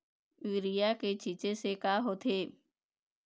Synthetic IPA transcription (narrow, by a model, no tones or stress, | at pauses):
ʋɪɾijaket͡ʃit͡ʃẽsekaːɦoːt̪ʰeː